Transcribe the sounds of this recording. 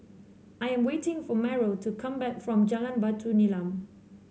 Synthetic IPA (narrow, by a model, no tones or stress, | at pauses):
ʔajɛ̃mwetɪ̃ŋfɔmɛɹotʰukʰãmbɛkfɹɔ̃md͡ʒalãnbatʰunilãm